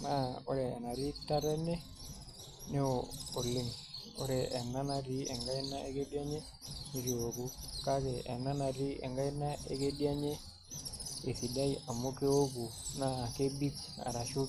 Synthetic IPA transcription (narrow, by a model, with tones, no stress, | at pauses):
na˦o˦ɾɛː˨na˨ɾi˦ta˦ɾɛ˦ne˦ | ne˦oo˨lːe˦ŋo̰˦ɾɛ˨ɛ˨na˦na˨ɾi˦ɛ˨ŋɡa˦i˦na˦e˦ke˦di˦a˦ɲe˦ | ni˨ɾi˦o˨ɡu˦ka˦ke˨ɛ˨na˦na˨ɾi˦ḛ˨ŋɡa˦inːa˦e˦ke˦di˦a˦ɲe˦ | e˨fi˨da˦ia˨mo˦ke˦o˦ɡ̬u˨na˦ke˦bi˦ka̰˨ɾa˨ʃu˦